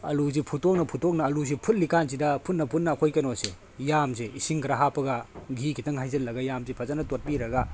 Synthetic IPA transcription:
ɐluzipʰutok̚nɐpʰutok̚nɐːluz̬ipʰut̚likanz̬idɐpʰunːɐpʰunːɐːkʰojkɐnose | jamseisiŋkɐɾaɦapɐɡɐɡʱikʰitɐŋɦajzɐlːɐɡɐjamzipʰɐzanɐtot̚piɾɐɡa

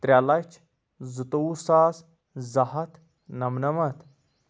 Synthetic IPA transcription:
t̪ɾʲalɐt͡ʃʰ | zut̪ousaːs | zɐɦɐt̪ | nɐmnɐmɐt̪

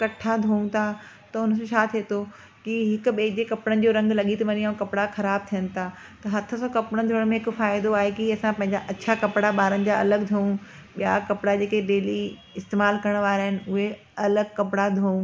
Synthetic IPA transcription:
kɐʈʰad̪ʱõːũt̪ʰa | t̪ɐʊn̤əsʃʰaːt̪ʰiet̪o | kiɦɪkʊ̆ɓeːd͡ʑekɐpɪɽənɪ̆d͡ʑoːɾɐ̃ŋɡlɐɠit̪ʰɐʋɐɲiaũkɐpɪɽaxɐɾaːb̚t̪ʰijənɪ̆t̪ʰaː | t̪ɐɦɐt̪ʰə̆sɔ̃ːkɐpɽənd̪ʱoəɽ̃mẽɦɪkʊ̆faːɪd̪oaːɦekiɐsãpɐ̃ɦɪ̃ɲd͡ʑaʔɐɕʰakɐpɪɽaɓaːɾənɪ̆d͡ʑaɐləɡd̪ʱoːũ | ɓijakɐpɪɽad͡ʑeːkeɖeːli | ɪst̪eːmaːlkɐɾəɽ̃ʋaːɾaːɦɪnɪ̆ʊɦe | ɐləɡ̚kɐpɪɽad̪ʱoːũ

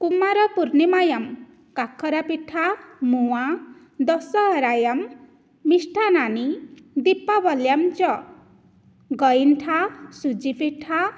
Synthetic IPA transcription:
kumːaɾʌpuɾnemajam | kakʰːʌɾapiʈʰːamuwã | d̪ʌsʌɦʌɾajamː | isʈʰananid̪ipːabʌljamt͡sʌ | ɡʌjnʈʰasud͡zipiʈʰːa

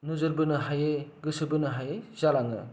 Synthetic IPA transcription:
nuzɯɾbɯnɯɦajeɡɯsɯbɯnɯɦajezalaŋɯ̰

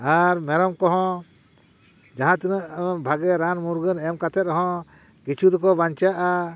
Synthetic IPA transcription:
aɾmɛɾɔmkɔɦɔ̃ | d͡ʒaɦãt̪inəʔbʱaɡɛɾanmuɾɡənɛmkat̪ʰɛt̪̚ɾɔɦɔ̃ | kit͡ʃʰud̪ɔkɔbaɲt͡ʃaʔa

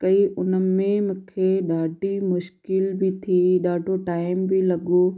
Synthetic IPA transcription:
kɐiʔʊnəmẽmʊ̃kʰeɗaːɖimʊʃkɪlbʱit̪ʰiɗaːɖʱoʈaːɪmbʱilɐɡo

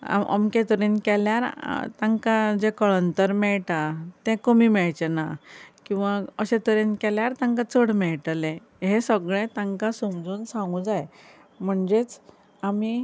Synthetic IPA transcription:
a̰mə̰mkẽt̪əɾinkɛljaɾt̪ãŋkad͡ʑekəɭənt̪əɾmɛɭʈat̪ɛ̃komiːmɛɭt͡ɕenakĩw̃ʋaəɕẽt̪əɾenkeljaɾt̪ãŋkat͡səɽmɛɭʈlẽ | ɦẽsəɡɭẽt̪ãŋkasumd͡zuːnsãŋɡũd͡zaj | m̤əɳd͡ʑet͡s | ami

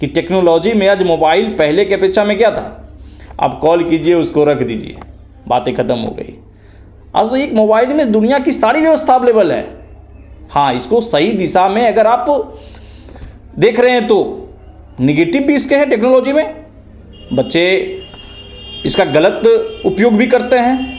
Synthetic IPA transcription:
kiʈeːknoːlɔːd͡ʒimẽəd͡ʒmoːbaːɪlpɛɦlekepɪtːʃʰamẽkjat̪ʰa̰ | a̰ːpkɔːlkiːd͡ʒieʊskoɾɐkʰd̪ḭːd͡ʒḭḛː | ba̰ːt̪ẽkʰɐt̪əmɦo̰ɡə̰ḭː | a̰ːd͡ʒt̪oeːkmoːbaːɪlmẽd̪ʊnijakisaːɾiʋjɐʋəst̪ʰaːbleːbəlɦɛ̰ː | hãːɪskosɐɦid̪ɪsamẽɐɡəɾaːp | d̪eːkʰɾɐɦeɦɛ̃t̪o | neɡeːʈɪbbʱiɪskeɦɛ̃ʈeːknoːloːd͡ʒimẽ | bɐtːʃe | ɪskaɡɐlət̪ʊpjoːɡbʱikɐɾt̪eɦɛ̃ː

